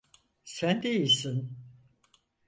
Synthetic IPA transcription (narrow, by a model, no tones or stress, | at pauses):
sænd̪e̞jilʲsin